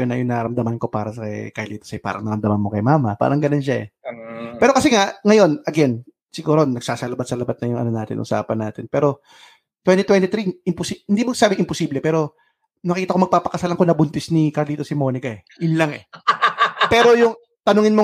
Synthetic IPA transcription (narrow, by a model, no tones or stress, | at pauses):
onɐjʊŋnaɾɐmd̪ɐmɐnko̞paːɾɐsɐkɐ̰jkɐjliːt̪osɐjpa̰ːɾʔɐ̰ŋnɐɾɐmd̪ɐmɐnmo̞kɐjmaːmɐpa̰ːɾɐŋɡɐnonʃaɛ̰pɛːɾo̞kɐsɛŋaŋɐjo̞nɐɡɛn | sɪɡuːɾonːɐɡ̥̚saːsɐlɐbat̪sɐlɐbat̪̚nɐjʊŋʔɐ̰nonaːt̪ɪ̰nʔʊ̰sa̰ːpɐnːaːt̪ɪnpɛːɾo̞ | t̪wɛnt̪it̪wɛnt̪it̪ɾiɪmpʊsihɪnd̪iːmoɐɡsaːbɪŋʔɪmposiːblɛpɛːɾo̞ | nɐkiːt̪ɐko̞mɐɡ̚paːpɐkɐsaːlɐŋkonɐbʊnt̪ɪsnikɐɾliːt̪osɪmo̞ːnɪkɐɛ | ʔɪnlaŋɛ̰ | pɛːɾo̞jʊŋ | t̪ɐnʊŋɪnmo